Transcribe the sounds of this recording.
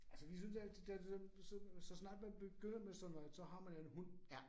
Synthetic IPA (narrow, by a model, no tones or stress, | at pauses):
ælsəʋis̬ynsædd̥ædsɒsɒ̽snɑ̈ːd̥̚b̥æb̥eɡ̥øn̰ɐmesɒ̽nɒsɒ̽ɦɑ̈mænæn̩ɦun̰